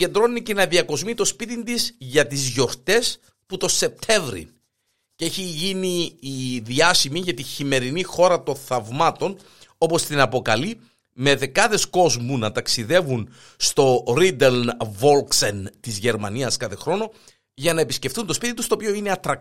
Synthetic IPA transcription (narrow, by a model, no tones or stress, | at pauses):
e̞nd̪ɾo̞nicenɐðiɐko̞zmit̪o̞spit̪ind̪izʝɐt̪izʝo̞ɾt̪e̞s | put̪o̞se̞p̚t̪ʰe̞vɾḭn | ceeçiʝiniːðiɐsimiʝɐt̪içime̞ɾinixo̞ɾɐt̪o̞nθɐvmɐt̪o̞n | o̞po̞st̪inɐpo̞kɐli | me̞ðe̞kɐðe̞sko̞zmunɐt̪ɐksiðe̞vun | st̪o̞ɾid̪elnvo̞lksent̪izʝe̞ɾmɐniɐskɐθe̞xɾo̞no̞ | ʝɐnɐepisce̞fθunt̪o̞spit̪int̪ust̪opio̞ine̞ɐt̪ɾɐ